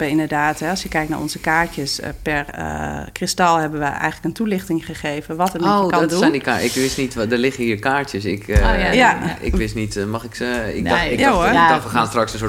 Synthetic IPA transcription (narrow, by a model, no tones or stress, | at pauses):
əɪndəɹdaːtɦɛɑsjəkɛjkna̰ʔɔ̰nzəkaːɹtjəspɛrkrɪstɑlˠhɛbənʋəʔɛ̰jxələkəntulɪxtɪŋχəχeːvənʋɔtənkndusɛndika̰ɪ̰kʋɪstnitdəɹlɪχəhiːɹkaːɹtjəsɪkjaɪ̰kʋɪstnitmɑxɪkɪkdɪjaʋəaːnstrɑksəso